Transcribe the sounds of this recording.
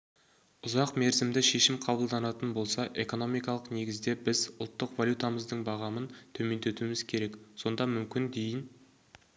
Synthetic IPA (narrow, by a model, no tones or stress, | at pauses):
ʊzɑqme̞ɾzɪmd̪ɪʃe̞ʃɪmqʰɑbəlˠd̪ɑnɑt̪ənbo̞lˠsɑʔe̞ko̞no̞mijkɑlˠəqne̞ɡʲɪzd̪e̞bɪzʊ̰lˠt̪ːəqvalʲjut̪aməzd̪əɴbɑʁɑmənt̪ʰɵme̞nd̪e̞t̪uɪmɪz̥kʲʰe̞ɾe̞kso̞nd̪ɑmʏmkʲɪnd̪e̞jɪn